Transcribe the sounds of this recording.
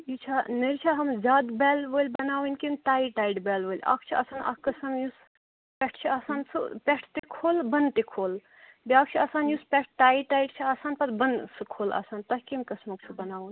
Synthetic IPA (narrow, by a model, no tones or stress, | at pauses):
jit͡ʃʰanɐɾt͡ʃʰaɦɐmzaːd̪bɛːlʋəːlʲbɐnaːwunkinʈaːiʈaːiɖbɛːlʋəːlʲa̰kʰt͡ʃʰia̰ːsaːnʔa̰kkːɐsɐmjus | pʲeʈʰt͡ʃʰiaːsaːnsɨ̰pʲeʈʰt̪ekʰoːlbɐnt̪ekʰoːl | bʲiaːkʰt͡ʃʰiaːsaːnjuspʲeʈ̚ʰʈaːiʈaːiɖt͡ʃʰiaːsaːnpɐɾbɐnsɨkʰoːla̰ːsaːnt̪ɐɦkemkɐsmɐk̚t͡ʃʰubɐnaːʋun